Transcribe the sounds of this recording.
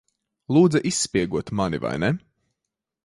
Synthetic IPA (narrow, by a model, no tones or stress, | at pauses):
lˠuːd̪zɐʔisːpiɛɡuɔt̪manḭva̰jnɛ